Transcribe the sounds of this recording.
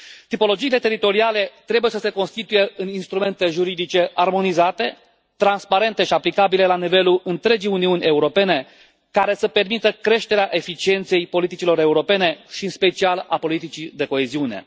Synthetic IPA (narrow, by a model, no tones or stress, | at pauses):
t̪ipo̞lo̞d͡ʒiːle̞t̪e̞ɾit̪o̞ɾiale̞t̪ɾebuje̞səse̞ko̞nst̪it̪uje̞ɨninst̪ɾume̞nt̪e̞ʒuɾid̪it͡ʃe̞ʔarmo̞nizat̪e̞ | t̪ɾanspaɾe̞nt̪e̞ʃiaplikabile̞lanive̞lulɨnt̪ɾe̞d͡ʒijuniunʲe̞uɾo̞pe̞ne̞ | kaɾe̞səpe̞rmit̪əkɾe̞ʃt̪e̞ɾeaʔe̞fit͡ʃie̞nt̪se̞jpo̞lit̪it͡ʃilo̞ɾe̞uɾo̞pe̞ne̞ʃiɨnspe̞t͡ʃialapo̞lit̪it͡ʃid̪e̞ko̞eziune̞̰